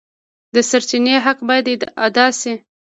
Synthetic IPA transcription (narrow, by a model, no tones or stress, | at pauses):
d̪əsaɾt͡ʃineɦaqbɑjad̪jd̪ad̪ɑsi